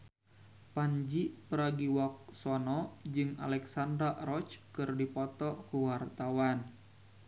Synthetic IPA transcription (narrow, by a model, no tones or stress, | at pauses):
paɲd͡ʒipəɾaɡiwak̚sɔnɔd͡ʒɨŋa̰lɛksandɾaɾɔt͡ʃkɨrdipɔt̪ɔkuwart̪awan